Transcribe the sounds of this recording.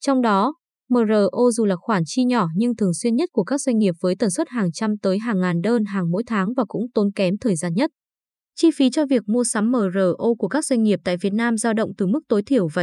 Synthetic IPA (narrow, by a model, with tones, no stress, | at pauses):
t͡ɕɔ˧wŋ͡mɗɔ˨˦ | məː˨˩zəː˨˩ʔo˧zu˨˩laː˨˩xwaː˧˩nt͡ɕi˧ɲɔ˧˩ɲɨ˧ŋt̪ʰɨ˨˩əŋswi˧ənɲə˦˥t̚ku˧˩əkaː˦˥k̚zwa˧ŋ̟ŋi˨˩əp̚vəː˨˦jt̪ə˨˩nswt̚haː˨˩ŋt͡ɕa˧mt̪əː˨˦jɦaː˨˩ŋːaː˨˩nɗəː˧nɦaː˨˩ŋmo̰˧˥jt̪ʰaː˨˦ŋvaː˨˩kʊ̰˧˥ŋ͡mt̪o˨˦nkɛ˨˦mt̪ʰəː˨˩jzaː˧nɲə˦˥t̚ | t͡ɕi˧fi˨˦t͡ɕɔ˧vi˨˩ək̚mu˧əsa˨˦mːəː˨˩zəː˨˩ʔo˧ku˧˩əkaː˦˥k̚zwa˧ŋ̟ŋi˨˩əp̚t̪a̰ː˧˨jvi˨˩ət̚naː˧mzaː˧wɗə̰˧˨wŋ͡mt̪ɨ˨˩mɨ˦˥k̚t̪o˨˦jt̪ʰi˧˩əwva̰˨˩